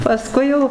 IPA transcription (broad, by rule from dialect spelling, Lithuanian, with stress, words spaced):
pɐˈskʊɪ jɛʊ